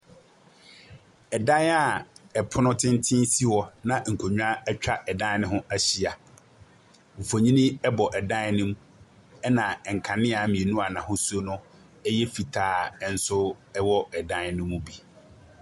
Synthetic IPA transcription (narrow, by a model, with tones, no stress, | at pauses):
ɛ˨dã˦na˦˨ɛ˨pʰʊ˦nʊ̃˦tʰɪ̃˦n˦tʰɪ̃˦n˦si˦wɔ˨nã˨ŋ̩˨kʰo˨ɲᶣ˦a˦ɛ˦t͡ɕᶣa˦ʔɛ˨dã˦n˦nɪ̃˦ɦʊ̃˦æ˦ɕi˨a˨ | m̩˨fo˨ɲĩ˦nĩ˦ɛ˦bɔ˨ʔɛ˨dã˦nʊ̃˦m | ɛ˦nã˨ɛ˨ŋ̩˨kʰã˨nɪ̃˦a˨˦mĩ˨e˨nũ˦a˨nã˨ɦʊ̃˦su˦o˦nʊ̃˦ | ɛ˦jɛ˦fi˨tʰaː˨˦˨n̩˦sʊ˦ɛ˦wɔ˦ɛ˨dã˦n˦nʊ̃˦mũ˦bi˨